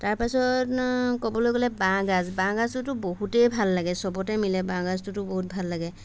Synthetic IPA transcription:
taɹpasɔtkɔbɔlojɡolɛbãɡazbãɡaztʊtʊboɦutejbʱalːaɡɛsɔbɔtɛmilɛbãɡaztʊtʊboɦut̚bʱalːaɡɛ

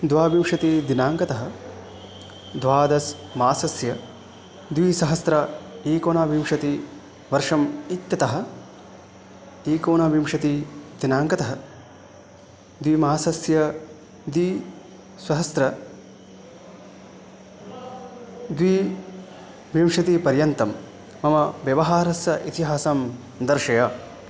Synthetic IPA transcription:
d̪ʋaːbimʂɐt̪id̪inaːŋkɐt̪ɐɦɐ̆ | d̪ʋaːd̪ɐsmaːsɐsjɐ | d̪ʋisɐɦɐsɾɐiːkoːnaːbimʂɐt̪i | ʋɐɾʂɐmit̪jɐt̪ɐɦɐ̆ | iːkoːnaːbimʂɐt̪id̪̥inaːŋkɐt̪ɐɦɐ | d̪ʋiːmaaːsɐsjɐ | d̪iː | sʋɐɦɐsɾɐ | d̪ʋi | ʋimʂɐt̪ipɐɾjɐnt̪ɐmː | ɐmɐʋjɐʋɐɦaːɾɐsjɐʔit̪iɦaːsam | d̪ɐɾʂɐjɐ

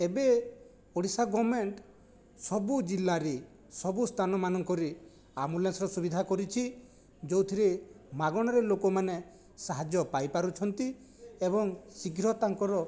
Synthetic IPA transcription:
ebe | oɽisaɡɔmeɳʈ | sɔbud͡ʒilːaɾe | sɔbust̪ʰanɔmanɔŋkɔɾe | amulensɔɾɔsubid̪ʱakɔɾit͡ʃʰi | d͡ʒowt̪ʰiɾe | maɡɔɽ̃ɔɾelokɔmane | saɦad͡ʒjɔpajpaɾut͡ʃʰɔnt̪i | ebɔŋsiɡʱɾɔt̪aŋkɔɾɔ

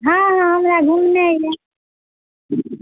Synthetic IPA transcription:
ɦãːɦãɦəmɾaɡʱumnaja

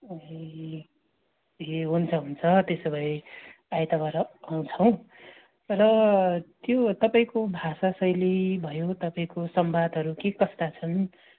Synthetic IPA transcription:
eɦunt͡sʰʌɦunt͡sʰʌt̪esʌbʱʌi | ajt̪abaɾʌːw̃t͡sʰʌw̃ | rʌt̪jot̪ʌpaĩkobʱasasʌjlibʱʌjot̪ʌpaĩkosʌmbad̪ʱɦʌɾukekʌst̪at͡sʰʌn

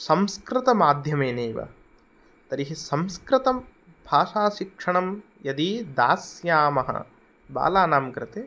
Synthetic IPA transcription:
sɐmskɾɪt̪ɐmaːd̪ʱjɐmeːneːʋɐ̰ | t̪ɐɾiɦisɐmskɾɪt̪ɐm | bʱaːʂaːʃikʂɐɳɐmjɐd̪id̪a̰ːsjaːmɐɦɐ̰ | ba̰ːlaːnaːmkɾɪt̪eː

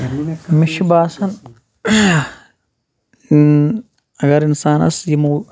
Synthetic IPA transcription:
miʃʰbaːsɐn | ɐɡɐɾinsaːnɐ̰sjimu

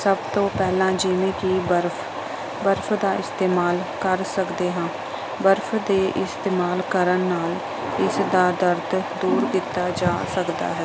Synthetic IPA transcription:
səbt̪õːpɛːlãːd͡ʒɪʋẽːkiːbəɾpʰ | bəɾfʰd̪aːɪst̪eːmaːlkəɾsəkd̪eːɦãː | bəɾfʰd̪eːʔɪst̪eːmaːlkəɾənːaːl | ɪsd̪aːd̪əɾt̪d̪uːɾkɪt̪aːd͡ʒaːsəkd̪a̰ːɦɛː

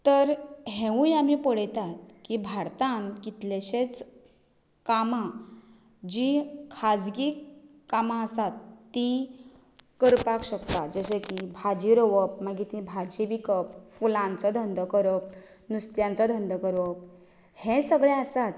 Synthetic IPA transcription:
t̪əɾɦẽʋũjamipəɽ̤jt̪at̪kibʱaɾt̪ankit̪leɕet͡s | kama | d͡ʑikʰad͡zɡik | kːamaəsat̪ːĩ | kəɾpakɕəkt̪ad͡zəsekibʱad͡ʑiɾəʋəp̚maɡit̪ĩbʱad͡ʑibikəp̚fulãnt͡sɔd̪ʱənd̪əkəɾəp̚ | nust̪jãnt͡sɔd̪ʱənd̪əkəɾəp | hẽsəɡɭẽəsat̪

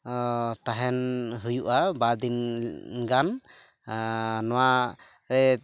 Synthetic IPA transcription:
t̪aɦɛnɦujuʔabad̪inɡan | nɔwa | ɾɛ

